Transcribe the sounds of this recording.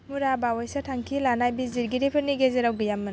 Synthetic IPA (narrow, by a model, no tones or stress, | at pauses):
muɾabawajsatʰaŋkʰilanajbiziɾɡiɾipʰɯɾniɡezeɾawɡijamːɯn